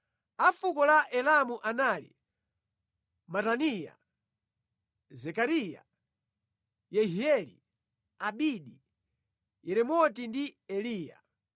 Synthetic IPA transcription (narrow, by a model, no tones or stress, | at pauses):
afukɔlaʔɛlamuʔanalḭ | matanija̰ | zɛkaɾija̰ | jɛɦiɛlḭ | aɓiɗi | jɛɾɛmɔtindiɛliːja̰